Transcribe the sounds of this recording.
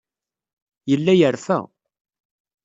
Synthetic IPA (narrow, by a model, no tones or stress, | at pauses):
jəlːæjəɾfæ̰